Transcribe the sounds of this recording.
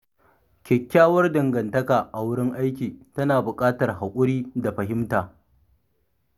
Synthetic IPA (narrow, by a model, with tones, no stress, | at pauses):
kʲɛ˨kʲːaː˦wɐ˦rdɐ˨ŋɡɐ˨ntɐ˦kaː˨ʔa˨wʊ˦ɽɪ˦ŋʔa˦jkʲiː˨tɐ˦naː˨bʊ˨kʼaː˦tɐ˨rɦa˨kʷʼʊ˦ɽiː˦da˨ɸɐ˨ɦɪ˦mtaː˨